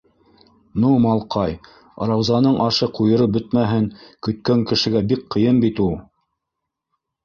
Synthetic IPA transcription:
numɑlˠqɑj | ɑ̰ɾɑwzɑnɤɴʔɑʃɤqujɤ̆ɾɤp̚bɵt̪mæɦɘŋkɵ̆t̪kæŋkɘ̆ʃɘ̆ɡæbik̚qɤ̆jɤnbit̪ulˠ

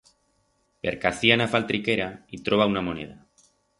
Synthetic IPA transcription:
bḛɾkaθianafalt̪ɾikeɾait̪ɾoβ̞aunamonḛð̞a

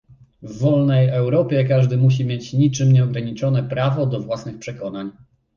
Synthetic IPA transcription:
vːɔlnɛjɛwɾɔpʲjɛkaʐd̪ɘmuɕ̬imʲjet͡ɕɲit͡ʂɘmɲɛɔɡɾaɲit͡ʂɔnɛpɾavɔd̪ɔvwasnɘxpʂɛkɔn̪aɲ

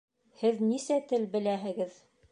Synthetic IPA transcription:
hɘðnisæt̪ɘlbɘ̆læɦɘ̆ɡɘð

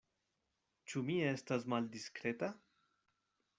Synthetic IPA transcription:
t͡ʃumiɛst̪azmald̪iskɾet̪a

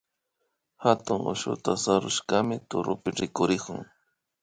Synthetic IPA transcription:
hat̪ʊŋʊ̰ʃʊ̰t̪asaɾʊʃkamɪt̪ʊɾʊpɪɾɪkʊɾɪkʊŋ

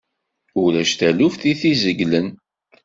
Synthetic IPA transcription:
ʊlæʃt̪ælufθiθizəɡlən

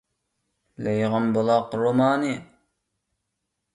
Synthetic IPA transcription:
lejʁɑmbolˠɑqɾomɑːni

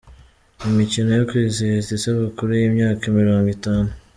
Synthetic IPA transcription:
imicino̞jokwiːziɾizisaβukuɾujiːmɲaːkaimiɾo̞ːŋɡwitaːnu

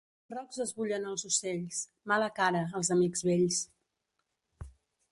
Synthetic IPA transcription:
rɔɡzəzβuʎənəlˠzuseʎs | maləkaɾəːlˠzəmiɡzβeʎs

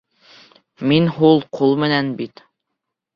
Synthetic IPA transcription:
minɦulˠqʰulˠmɘ̆nænbit̪

